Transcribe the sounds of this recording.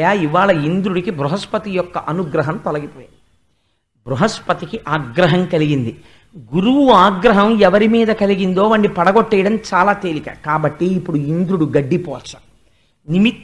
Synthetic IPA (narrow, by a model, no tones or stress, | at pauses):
jaːiʋaːɭɐind̪ɾuɽikibɾuɦɐspɐt̪ijɔkːɐʔɐnuɡɾɐɦɐmt̪ɔlɐɡipɔːja | bɾuɦɐspɐt̪ikiʔaːɡɾɐɦɐmkɐliɡind̪i | ɡuɾuʋuaːɡɾɐɦɐmɛʋɐɾimiːd̪ɐkɐliɡind̪o̞ːʋɐɳːɖipɐɽɐɡoʈːɛːjɽɐmt͡ʃaːlaːt̪e̞ːlikɐkaːbɐʈːiːpːuɽuind̪ɾuɽuɡɐɖːipɔːt͡ʃːɐ̥ | nimi